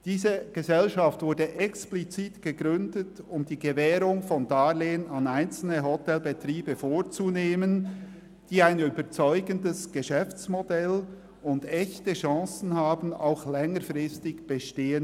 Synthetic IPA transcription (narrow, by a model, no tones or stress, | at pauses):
d̥iːzəɡ̥əzɛlʃaftvʊɐɹdəʔɛksplit͡siːtɡ̥əɡʁʏndət | ʊmdiːɡəvɛːɾʊŋfɔndaːleːənɑnaɪnt͡sl̩nəɦɔtɛlbetriːbəfoːɹt͡suneːmən | d̥iːaɪnyːbət͡sɔʏɡəndəsɡ̥əʃɛft͡smodɛl | ʊndɛçtəʃɑ̃ːsn̩haːbn̩a̰ʊxlɛŋəɾfʁɪstɪçb̥əʃteːən